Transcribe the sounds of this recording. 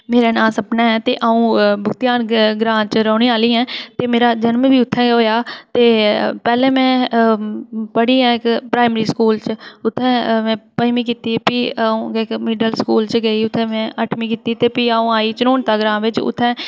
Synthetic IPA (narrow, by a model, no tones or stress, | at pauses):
meːɾeːnaːsəpnaːɦɛːt̪ḛːʔaːũːbʊkt̪ɪjaːnɡɾãːt͡ʃɾəːɳiːaːliːɛ̃ːt̪eːmeːɾaːd͡ʒənmʋiːʊt̪ʰːɛ̃ːɦoːjaːt̪eːpɛːlɛ̃ːmɛ̃ː | pəɽiːɦɛ̃ːɪkpɾaːɪmɾiːskuːlt͡ʃʊt̪ʰːɛ̃ːmɛ̃ːpəimĩːkiːt̪iːpiːaːũːɪkmɪɖəlskuːlt͡ʃɡəiːʊt̪ʰːɛ̃ːmɛ̃ːʔəʈʰmĩːkiːt̪iːt̪eːpiːaːũːaːiːt͡ʃənoːnt̪aːɡɾãːʋɪt͡ʃʊ̰t̪ʰːɛ̃ː